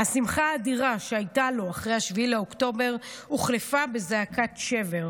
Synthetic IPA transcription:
hasimχaːdiʁaʃeajtalo̞aχʁejhaʃviilaokto̞be̞ʁuχlefabe̞zeakʰatʃe̞ve̞ʁ

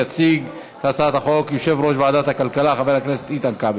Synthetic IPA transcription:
at͡siɡ | t̪at͡sat̪haχo̞kjoʃe̞vɾo̞ʃbeaːd̪at̪hakalkalaχaveɾhaknese̥t̪it̪ankab

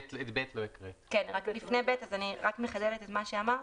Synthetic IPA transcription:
tlet̪bet̪loikʁekenʁaklifnejbetazaniʁakmeχadelet̪etmaʃeamaʁ

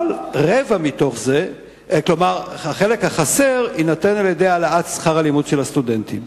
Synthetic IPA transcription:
lʁevamit̪o̞χze̞ | klomaʁhaχe̞le̞khaχase̞ʁinat̪enaljed̪ealaatsχaʁalimudʃelast̪ud̪e̞nt̪im

